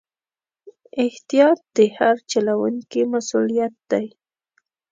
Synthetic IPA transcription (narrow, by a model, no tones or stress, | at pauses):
ɪht̪ijɑt̪̚d̪̥ehaɾt͡ʃalawʊŋkɪmasʊlijat̪̚d̪aj